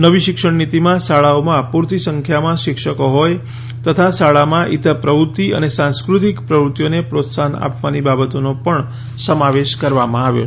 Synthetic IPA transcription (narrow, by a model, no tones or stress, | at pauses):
nəʋiʃɪkʃəɳnit̪imãsaɭaomãpuɾt̪isəŋkʰjamãʃɪkʃəkoɦɔj | t̪ət̪ʰasaɭamãʔit̪ʰəpɾəʋut̪iə̰nesãnskɾut̪ikpɾəʋɾut̪jonepɾot̪sana̰pʋanibabət̪onopəɳ | səmaʋeʃkəɾʋamãaʋjo̰